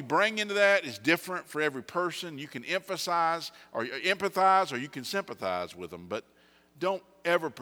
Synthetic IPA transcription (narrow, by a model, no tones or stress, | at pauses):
ɨbɹɪ̃ŋɪ̃ntʉðɨɾɨzdɪfɹɨ̃ntfə˞ɛvɹipʰɜ˞sɨ̃njɨkɨ̃nɛ̃ɱfɨsaɪzʔə˞ɛ̃mpɨθaɪzə˞jɨkɨ̃nsɪ̃mpəθa̰ɪzwɪðə̃mbʌt̚ | d̥õʊ̃ntɛvə˞pʰ